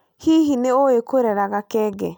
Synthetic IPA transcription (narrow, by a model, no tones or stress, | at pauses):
hiɦineoekoɾɛɾaɣakɛɡɛ